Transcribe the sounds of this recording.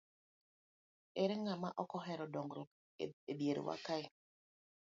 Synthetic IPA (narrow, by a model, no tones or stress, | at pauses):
eɾeŋamaʔɔkɔɦɛɾɔdɔŋɡɾɔ | ebjeɾo̰wa̰kai